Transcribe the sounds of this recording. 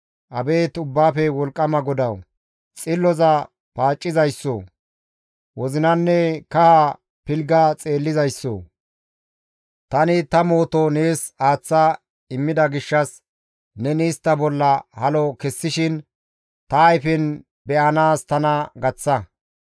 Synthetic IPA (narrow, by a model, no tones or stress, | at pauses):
ʔɐbe̞ːt̪ʊbːaːfɛwɔlkʼːɐmɐɡɔd̪ɐw | t͡sʼɪlːɔzɐ | paːt͡ʃʼːɪzɐjsːo̰ | wɔzɪnɐnːɛkɐha | pɪlɡɐt͡sʼe̞ːlːɪzɐjsːo̰ | t̪ɐnɪt̪ɐmo̞ːt̪ɔne̞ːsaːt͡sːa | ɪmːɪd̪ɐɡɪʃːɐs | nɛniːst̪ːɐbɔlːɐhɐlɔkɛsːɪʃɪn | t̪ɐːjfɪn | bɛʔɐnaːst̪ɐnɐɡɐt͡sːɐ